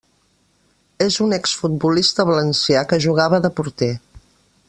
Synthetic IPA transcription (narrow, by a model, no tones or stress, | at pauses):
ezunɛksfut̪̚bulist̪əβələnsjakəʒuɣ̞aβəðəpuɾt̪e